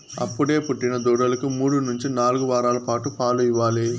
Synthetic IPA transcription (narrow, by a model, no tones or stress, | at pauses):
ɐ̰pːuɽe̞ːpuʈːinɐd̪uːɽɐlɐkumuːɽunuɲt͡ʃinaːluɡuʋaːɾaːlɐpaːʈupaːlujiʋaːli